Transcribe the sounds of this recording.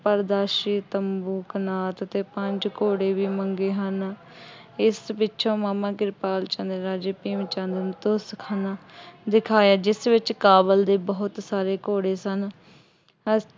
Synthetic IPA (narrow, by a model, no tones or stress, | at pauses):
pəɾd̪aːʃiːt̪əmbuːkənaːt̪t̪eːpəɲd͡ʒkoːɽeːʋiːməŋɡeːɦən | ɪsbɪtːʃʰõːmaːmãːkɪɾpaːlt͡ʃənd̪əɾaːd͡ʒeːpiːmt͡ʃənd̪ənt̪oːskʰaːnaːd̪ɪkʰaːjaːd͡ʒɪsʋɪt͡ʃkaːbəld̪eːbəɦʊt̪saːɾeːkoːɽeːsən | ə